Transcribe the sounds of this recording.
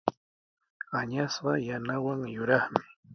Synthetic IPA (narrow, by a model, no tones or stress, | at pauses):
aɲasɢɑjanawaŋjʊɾɑχmɪ